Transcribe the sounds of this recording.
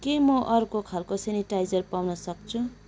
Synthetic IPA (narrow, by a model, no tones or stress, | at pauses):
kemʌʔʌrukokʰalkoseniʈajd͡zʌrpawnʌsʌk̚t͡sʰu